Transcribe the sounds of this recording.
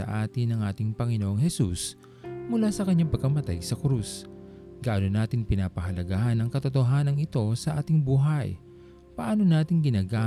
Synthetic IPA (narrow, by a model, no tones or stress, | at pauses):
ɐ̰ʔaːt̪ɪnɐŋʔaːt̪ɪŋpɐŋɪnoʔoŋɦɛsṵs | mʊlaːsɐkɐɲːaŋpɐɡ̚kɐmɐt̪a̰jsɐkɾus | ɡaʔanonaːt̪ɪŋpɪnaːpɐɦɐlɐɡahanɐŋkɐt̪ot̪oɦaːnɐŋɪt̪o̞sɐʔaːt̪ɪŋbuːɦɐj | pɐʔaːno̞naːt̪ɪŋɡɪnaːɡaː